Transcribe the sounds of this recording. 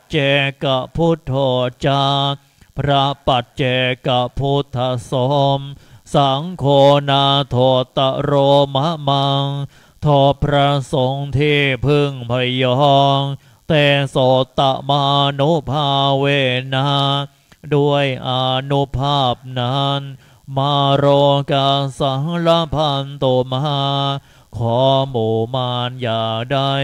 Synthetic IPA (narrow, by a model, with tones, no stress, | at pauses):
t͡ɕe˨˩ka˨˩pʰu˦˥t̪ʰːoː˨˩t͡ɕa˧ | pʰɾa˦˥pa˨˩t̪̚t͡ɕe˨˩ka˨˩pʰu˦˥t̪ʰːa˧˥so˨˦˥msa˨˩˦ŋkʰoː˧na˧˥t̪ʰoː˨˩t̪ːa˨˩ɾoː˧ma˦˥ma˧ŋ | t̪ʰoː˧˩pʰɾa˦˥so˨˦ŋt̪ʰiː˥˩pʰɯ˥˩ŋpʰa˧˩jɔ˧˥˧ŋ | t̪ɛː˨˧˩soː˨˩t̪ːa˨˩ma˧a˧nu˦˥pʰaː˧˩weː˧˩naː˧˥ | du˥˩əjʔa˧˩nu˦˥pʰaː˥˩p̚naː˧˥n | maː˧˩ɾoː˧kaː˧nsa˨˦ŋla˦˥pʰa˧nt̪oː˨˩ma˧haː˧ | kʰɔː˨˦moː˨˩maː˧njaː˨˩daː˥˩